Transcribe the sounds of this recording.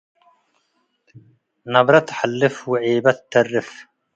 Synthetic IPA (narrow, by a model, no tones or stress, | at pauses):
nɐbɾɐt̪ħalːɪfwɪʕiːbɐt̪ːɐrːɪf